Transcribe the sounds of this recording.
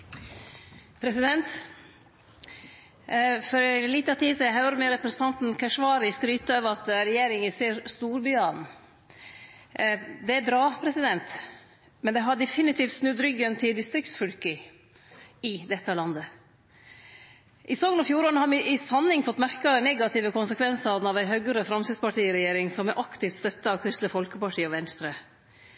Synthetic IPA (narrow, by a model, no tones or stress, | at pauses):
pʰɾɛsɪd̪ɛnt̪ | fɔɾɛliːt̪ɑt̪ʰiːsɔæhɑʉɾəmɛɾɛpɾəsən̩t̪ʰɑnt̪n̩kʰæʂʋɑːɾɪst̪ɾyːt̪əøːʋɾɑt̪ɾɛjeːɾɪŋɪseːɾst̪uːɾbyːɑn | d̪ɛæbɾɑːpʰɾɛsɪd̪ɛnt̪ | mɛnd̪ɛɦɑɖɛfɪnɪt̪ʰiːft̪snʉd̪ɾʏɡənt̪ʰɪld̪ɪst̪ɾɪkt̪sfœlkə | ɪd̪ɛt̪ːəlɑnd̪ə | ʔɪsoːɡənɔfjuːɾoɳəhɑɾmɪʔɪsɑnhɪŋfɔt̪ːmæɾkəd̪ɛɪnɛɡɑt̪ʰɪʋəkʊnsəkʰʋɛnsənɑʋæɪɦœɡəɾəfɾɑmsɪd̪spɑʈʰiːɪɾɛjeːɾɪŋsɔmɛʔɑkt̪ɪft̪st̪œt̪ːəɑʋkʰɾʏst̪ləfɔlkəpɑʈʰiːɔʋɛnst̪ɾə